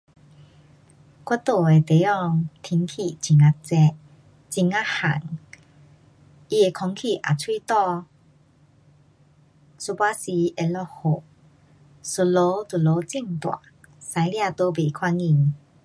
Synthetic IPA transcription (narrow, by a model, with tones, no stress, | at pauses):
kwa˦˥t̪o˨˩e˨˩t̪e˨˦ɔ˧ŋt̪ʰi˧ŋkʰi˨˩˨t͡ɕi˧ŋa˧t͡sɛ˧ʔ | t͡ɕi˧ŋa˦ha̰˨˩ŋ | i˧e˨˩kʰɔ˧˦ŋkʰi˨˩ʔa̰˨˩t͡sʰwi˦˧t̪ɔ˥˧ | so˧pa˦si˧e˧lɔ˧ho˨˩ | so˨˧lo˧˦t̪u˨lo˨˦t͡si˥˧˨nt̪wa̰˨ | sa˧jlja˥˧t̪o˧˦be˨˩kʰwa˧ŋi˧˨ŋ